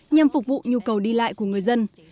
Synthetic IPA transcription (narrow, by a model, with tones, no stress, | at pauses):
ɲa˧˩mfʊ˨˩k͡p̚vṵ˧˨ɲu˧kə˨˩wɗi˧la̰ː˧˨jku˧˩əŋɨ˨˩əjzə˧n